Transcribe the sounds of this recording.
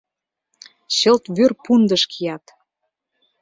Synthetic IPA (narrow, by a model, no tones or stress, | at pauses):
ɕɤ̆lt̪βørpund̪əʃkʰijɑt̪